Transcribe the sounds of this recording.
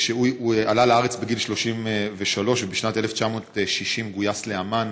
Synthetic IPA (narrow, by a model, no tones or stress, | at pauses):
ʃeujualaleaʁet͡sbeɡilʃlo̞ʃimveʃalo̞ʃbiʃnat̪e̞left͡ʃamo̞ːtʃiʃimɡujasleaman